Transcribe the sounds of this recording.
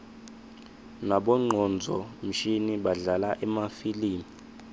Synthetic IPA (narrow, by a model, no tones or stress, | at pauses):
naɓɔŋ͡ǃʱɔnd͡zʱɔm̩ʃiniɓaɮalaʔɛmafiliːmi